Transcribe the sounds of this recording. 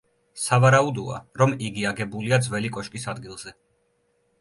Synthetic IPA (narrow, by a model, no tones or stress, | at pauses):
savaɾaud̪ɔa̰ɾɔmiɡiaɡɛbuliad̪zwɛlikʼɔʃkʼisad̪ɡilˠz̥ɛ